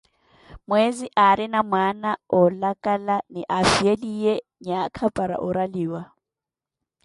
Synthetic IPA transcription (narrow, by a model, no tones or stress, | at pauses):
mweziʔaɾɪnamwanaʊlakʼalanɪʔafielieɲakʰapʼaɾa̰ʔʊɾaliːwa